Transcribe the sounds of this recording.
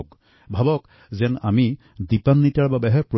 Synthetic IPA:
k | bʱabɔk | zɛna̰mi | dipanːitaɹbabɛɦɛpɹo

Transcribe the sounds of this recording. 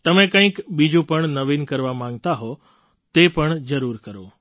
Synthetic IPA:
t̪ɐmẽkə̃ɦɪ̃kɓid͡ʑũpəɽ̃nɐʋiːnkɐɾʋamãŋɡt̪aɦo | t̪epəɽ̃zɐɾuːɾkəɾo

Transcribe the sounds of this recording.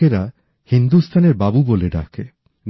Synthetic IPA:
eɾa | hind̪ust̪ʰaneɾbabuboleɖa̰kʰe | n

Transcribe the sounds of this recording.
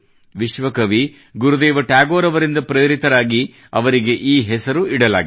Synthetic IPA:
ʋiʃʋɐkɐʋi | ɡuɾud̪eːʋɐʈjaːɡoːɾɐʋɐɾind̪ɐpɾɐjɾit̪ɐɾaːɡi | ɐʋɐɾiɡe̞ʔiːɦɛsɐɾuiɽɐla̰ːɡi

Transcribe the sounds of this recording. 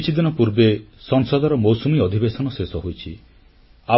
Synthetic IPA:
t͡ʃʰid̪inɔpuɾbesɔŋsɔd̪ɔɾɔmowsumiɔd̪ʱibesɔnɔsesɔɦojt͡ʃʰi | a

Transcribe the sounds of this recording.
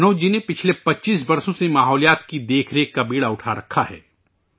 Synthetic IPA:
noːd͡ʒinepɪt͡ʃʰlepɐtːʃiːs̬bɐɾsõsemaːɦɔːlijaːt̪kid̪eːkʰɾekːabiːɽaʊʈʰaɾɐkʰːaɦɛ̰ː

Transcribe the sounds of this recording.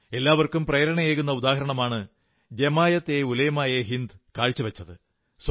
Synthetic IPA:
e̞lːaːʋɐrkumprɐjɐɾɐɳɐjeːɣunːɐud̪aːɦɐɾɐɳɐmaːɳɨ | d̪emaːjɐt̪ːeulɐjɐmaːjɐɦind̪ɨkaːɻt͡ɕːuʋɐt͡ɕːɐðɨ | s

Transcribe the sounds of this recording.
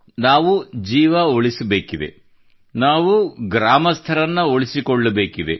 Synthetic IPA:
naːʋud͡ʒiːʋɐoɭisɐbe̞ːkid̪e̞̰ | naːʋuɡɾaːmɐst̪ʰɐɾɐnːɐoɭisikoɭːɐbe̞ːkid̪e̞̰

